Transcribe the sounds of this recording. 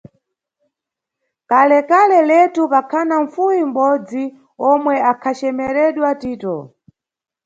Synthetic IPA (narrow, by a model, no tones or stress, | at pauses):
kalɛkalɛlɛtupakʰanaɱ̩fujim̩bɔd͡zi | ɔmwɛakʰat͡ʃɛmɛɾɛɗwatiːtɔ